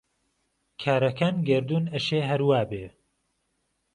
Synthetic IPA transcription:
kʰaːɾɐkʰaːnɡɐɾd̪unɐʃeːɦɐɾwaːbe

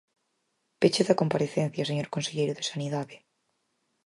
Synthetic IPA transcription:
pet͡ʃeðakompaɾeθenθjaseɲoɾkõnseʎejɾʊðesaniðaðeɪ

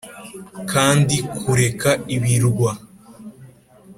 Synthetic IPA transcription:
kʰaːndikʰuɾe̞kaiβiɾɡwa

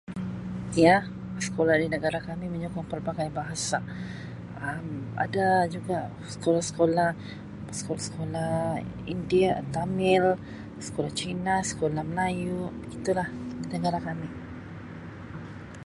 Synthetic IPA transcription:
ja | sə̥kolahdinəɡaɾakamiməɲukɔŋpərbakajabaɦasa | əma̰dad͡ʒuɡaʔ | sə̥kolahsə̥kolah | sə̥kolasə̥kolah | indiat̪amɪl | sə̥kolaht͡ʃinasə̥kolahməlajuʔbəɡit̪ulahdinəɡaɾakamɪ

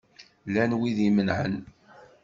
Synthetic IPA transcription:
lænwiðimənʕən

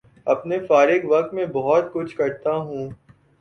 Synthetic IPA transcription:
ɐpnefaːɾɪɡʋɐk̚t̪mẽbɔɦɔt̪kʊt͡ʃʰkɐɾt̪aɦũː

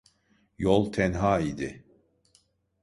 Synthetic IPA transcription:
jolˠt̪ʰɛnɦaːid̪ɪ

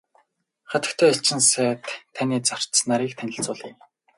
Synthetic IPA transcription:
χat̪ə̆kt̪ʰœːaɬt͡ɕɪ̆nsæːt̪ʰːaniːt͡sar̥snaɾiːk̚t̪ʰænʲɪ̆ɬt͡sʊːɮiː

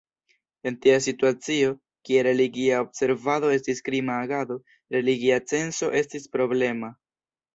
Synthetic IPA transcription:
e̞ntias̬ituat͡sio̞ | kie̞ɾe̞liɡiaobse̞ɾvado̞e̞stiskɾimaːɡado̞ | ɾe̞liɡiat͡se̞nso̞ʔe̞stispɾo̞ble̞ma

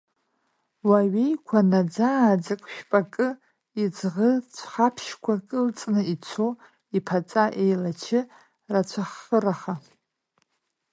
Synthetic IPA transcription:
waɥejkʷʰanad͡zad͡zakʷʼʃᶣpʼakʼɨ | id͡zʁət͡sʷʰχapʰʃkʷʰakʼɨlt͡sʼnɨit͡sʰo | ipʰat͡sʼaʔejlat͡ʃʰɪ | rat͡ɕʷʰaχəraχa

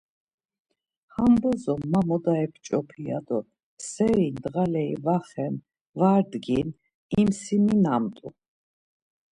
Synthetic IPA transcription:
hambɔzɔmːamɔd̪aɛpʰt͡ʃʼɔpʰiad̪ɔ | sɛɾind̪ʁalɛivaχɛm | vaɾd̪ɡin | imsiminamt̪ʼṵ

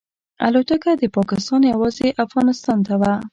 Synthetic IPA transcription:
a̰lot̪əkad̪əpɑkɪst̪ɑnjawɑzeʔafɣɑnɪst̪ɑnt̪awa

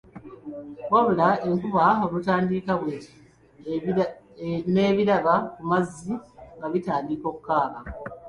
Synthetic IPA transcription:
βaβulae̞ŋkuβao̞lutaːndiːkaβwe | ne̞ːβiɾaɡakumazːiŋɡaβitaːndiko̞kukːaːka

